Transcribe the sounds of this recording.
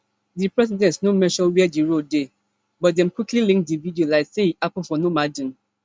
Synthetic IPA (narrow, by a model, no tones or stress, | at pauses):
dipɹɛs̬idɛ̃tsnomɛ̃ʃɔwɛɛdiɹode | bɔt̚dɛ̃mkwiklilĩŋk̚dividiolaɪksehiʔapə̃fɔnomadĩn